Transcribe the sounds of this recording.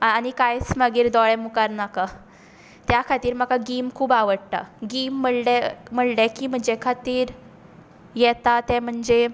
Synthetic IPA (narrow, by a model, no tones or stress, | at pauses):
aanikajsməɡiːɾd̪ɔɭɛmukaɾnaka | t̪jakʰat̪iːɾməkaɡiːmkʰuːbaʋəɽʈ̪a̰ɡiːmːəɽlem̤əɽlɛkiːm̤əɳd͡ʑekʰat̪iːɾ | jɛt̪at̪ɛ̃m̤əɳd͡ze